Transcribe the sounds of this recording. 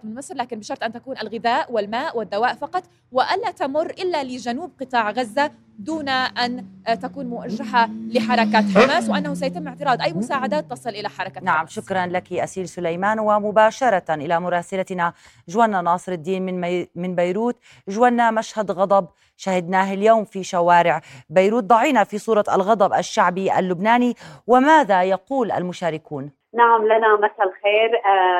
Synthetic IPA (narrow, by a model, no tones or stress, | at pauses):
mɪmɪsɾlaːkɪnbɪʃɑɾˤt̪ʔant̪akuːnalɣɪðaːʔwɪlmaːʔwɪd̪ːawaːʔfɑqɑt̪ˤ | wɪʔanlat̪amʊrːʔɪlːalɪd͡ʒanuːb̚qɨt̪ˤɑːʕɣazːa | d̪uːnaʔant̪akuːnmʊwaʒːaɦalɪħɑɾˤɑkat̪ħamaːswɪʔanːahus̬ajat̪ɪmːɪʕt̪ɪɾɑːd̪ʔajːmʊsaːʕad̪aːt̪ːɑsˤɨlʔɪlaħɑɾˤɑkanaʕamʃʊkɾˤɑnlakiʔasiːlsʊlajmaːnwɪmʊbaːʃɑɾˤɑʔɪlamʊɾˤɑːsalana | ʒwanːanɑːsˤɨɾad̪ːiːnmɪnmɪnbajɾuːt̪ | ʒwanːamaʃhad̪ɣɑd̪ˤɑb | ʃahɪd̪naːɦɪljoːmfiʃawaːɾɪʕbajɾuːt̪̚d̪ˤɑʕiːnafisˤuːɾˤɑa̰lɣɑd̪ˤɑbʔaʃːaʕbiʔa̰lːʊbnaːniwɪmaːðajɑquːlʔa̰lmʊʃaːɾɪkuːn | naʕamlanamaθalxeːɾ